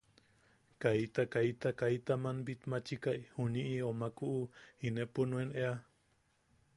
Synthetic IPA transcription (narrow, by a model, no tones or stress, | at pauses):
kait̪akait̪akait̪amanbit̪mat͡ʃikaʔihuɲiʔiomakuʔuinepunũenea